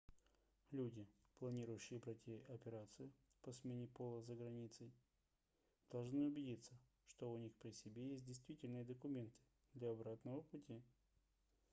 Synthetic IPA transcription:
lʲudʲɪplˠɐnʲiɾʊjʉɕːɪjəbɾɐtʲiɐpʲɪɾat̪sɨjʊ | pɐsmʲenʲɪpo̞lˠəzəɡɾɐnʲit̪səj | d̪̥ɐlˠʐnɨʊbʲɪdʲit̪sːə | ʂt̪o̞ʊnʲixpɾʲɪsʲɪbʲejesʲt̬̚ʲdʲɪjst̪vʲitʲɪlʲnɨjəd̪əkʊmʲe̞nt̪ɨ̥ | d̪lʲɐɐbɾat̪nəvəpʊtʲi

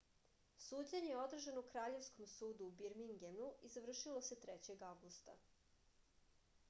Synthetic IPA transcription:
suːd͡ʑaɲejeo̞d̪r̩ʒanoukɾaːʎe̞ʋsko̞msuːd̪uːbiɾmiŋɡemnuizaʋr̩ʃilˠo̞set̪ɾet͡ɕe̞ɡaʋɡust̪a̰

